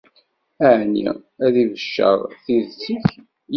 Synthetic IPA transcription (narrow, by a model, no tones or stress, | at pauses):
æʕnḭæðivəʃːə̰ʁˤθiðsiç